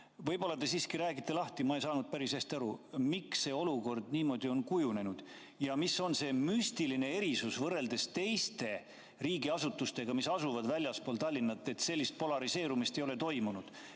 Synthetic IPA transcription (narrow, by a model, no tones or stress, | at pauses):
vɤjbo̞lːɑd̪e̞siːskiɾæːɡ̥it̪ːe̞lɑht̪imɑe̞jsɑːnud̪̥̚pæɾishæst̪iɑɾumiksːe̞o̞luko̞rd̪̥niːmo̞ːd̪io̞nkujune̞nud̪̥ | jɑmisːo̞nse̞myst̪iline̞e̞ɾisusvɤrːe̞ld̪e̞st̪e̞jst̪e̞ | riːɡiɑsut̪ːˑust̪e̞ɡ̥ɑmisɑsuvɑd̪vælʲjɑspo̞ːlt̪ɑlʲːinːɑt̪ːˑe̞t̪se̞lːist̪̚po̞lɑɾise̞ːɾumist̪ejo̞le̞t̪o̞jmunud̪̥